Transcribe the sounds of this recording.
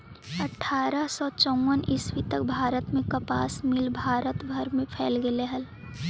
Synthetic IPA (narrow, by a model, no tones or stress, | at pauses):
ɐʈʰːaːɾəsɔːt͡ʃɔ̃wənɪswit̪əkbʱaːɾət̪mẽkɐpaːsmɪlbʱaːɾət̪bʱəɾmẽpʰɛːlɡeleɦəl